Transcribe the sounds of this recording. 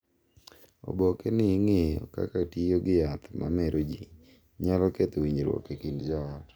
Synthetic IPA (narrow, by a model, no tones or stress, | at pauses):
o̰bokenɪŋeɔ̰ka̰katioɡɪjat̪mʔa̰meɾʔod͡ʒi | ɲalɔket̪owiɲɾwɔ̰kekindd͡ʒɔɔ